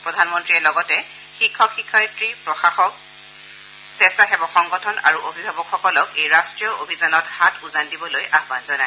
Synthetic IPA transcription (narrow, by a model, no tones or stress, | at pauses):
pɹɔdʱanmɔntɹiɛlɔɡɔtɛ | xikʰːɔkxikʰːɔjtɹipɹɔxaxɔk̚ | sɛstaxɛbɔxɔŋɡɔtʰɔna̰ɹuʔobʱibʱabɔkxɔkɔlɔkejɹastɹijɔobʱizanɔthatʰuzandibɔlojʔaxbanzɔna